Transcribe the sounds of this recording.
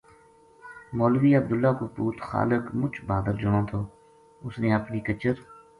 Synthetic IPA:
moːlʋiːəb̚d̪ʊlːaːkoːpuːt̪xa̰ːləkmʊt͡ʃʰbaːd̪əɾd͡ʒʊɽõːt̪ʰoː | ʊsnẽːəpniːkət͡ʃəɾ

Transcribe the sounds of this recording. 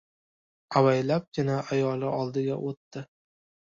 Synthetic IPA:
awajlap̚kʲɪnaajɒlˠɪʔɒlˠd̪ɪɡʲaʔot̪ːɪ

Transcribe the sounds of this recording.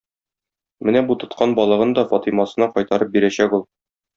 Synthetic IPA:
mɘnæbut̪ŏt̪qʰɑnbɒlˠɤ̆ʁɤnd̪ɒfɒt̪imɑsɤ̆nɑqɒjt̪ɑɾɤp̚biɾæɕækulˠ

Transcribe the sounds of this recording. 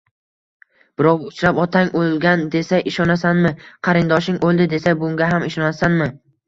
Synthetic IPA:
b̥ɪɾɒqʊt͡ʃɾapɒt̪ʰaŋolˠɡʲand̪e̞saʔɪʃɒnasanmɪqʰɑɾɪnd̪ɒʃɪŋʔolˠd̪ɪd̪e̞sabʊŋɡʲaɦamɪʃɒnasanmɪ

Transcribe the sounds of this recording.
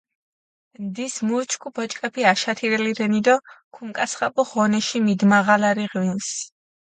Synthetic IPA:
nd̪ismut͡ʃʰkʰubɔt͡ʃʼkʼɛpʰiaʃat̪ʰiɾɛliɾɛnid̪ɔkʰuŋkʼasχapʼuʁɔnɛʃimid̪maʁalaɾiʁwins

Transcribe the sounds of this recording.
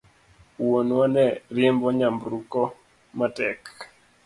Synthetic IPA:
wonwɔnɛrɪembɔɲambɾukɔ | matɛk

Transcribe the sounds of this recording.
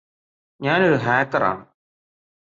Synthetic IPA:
ɲaːnoɾuɦaːkːɐra̰ːɳɨ

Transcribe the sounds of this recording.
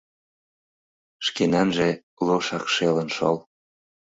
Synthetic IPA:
ʃkenɑnʒe | loʃɑkʃelənʃol

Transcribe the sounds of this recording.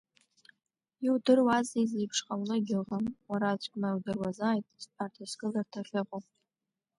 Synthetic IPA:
iwdɨrwazezejpʰʂqʼawlɨɡʲɪlʁənwaɾat͡ɕʷʰʼkʲʷʼmaiwdɨrwazaːjtʼspʰartʰasɡʼɨlartʰaχʲɪʁʼopʼ

